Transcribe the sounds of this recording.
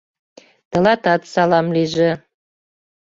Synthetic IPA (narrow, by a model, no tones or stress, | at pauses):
t̪ə̆lɑt̪ɑt̪sɑlɑmliʒĕ